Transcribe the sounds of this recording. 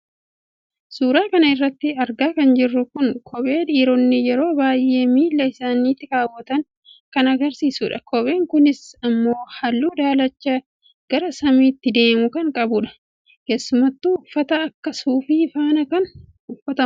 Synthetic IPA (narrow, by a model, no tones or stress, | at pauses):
suːɾaːkɐnɐɪrːɐt̪ːɪɐɾɡaːkɐnd͡ʒɪrːʊkʊnkʰɔbe̞ːᶑiːɾɔnːɪjɛɾo̞ːbaːjʔe̞ːmiːlːɐɪsaːnːiːt̪ːɪɾaːwːɐt̪ɐŋ | kɐnɐɡɐɾsiːsʊᶑɐkɔbe̞ːŋkʊnɪsɐmːo̞ːhɐlːuːd̪aːlɐt͡ʃːɐ | ɡ̥ɐɾɐsɐmiːt̪ːɪd̪e̞ːmʊkɐŋkʼɐbʊᶑɐ̥ | ke̞ːsːʊmɐt̪ːuʊfːɐt̪ɐːkːɐsuːfifaːnɐkɐn | ʊfːɐt̪ɐm